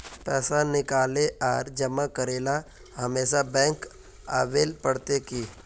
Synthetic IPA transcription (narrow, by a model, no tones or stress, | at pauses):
pɛːsanɪkaːleʔaːɾd͡ʒɐmakəɾeːla | hɐmeːʃabɛ̃ːŋk | a̰ːʋeːlpəɽt̪ekiː